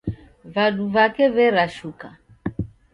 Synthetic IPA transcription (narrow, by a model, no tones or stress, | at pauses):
vaɗuvakɛβɛɾaʃuka